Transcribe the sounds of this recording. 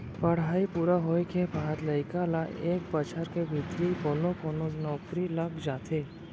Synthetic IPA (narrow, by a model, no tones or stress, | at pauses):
pɐɽ̤aːipuːɾaɦoːekʰepaːd̪lɐɪkalaʔeːk̚pət͡ʃʰəɾkebʱɪt̪jeikoːnokoːnonɔːkɾilɐkd͡ʒaːt̪ʰeː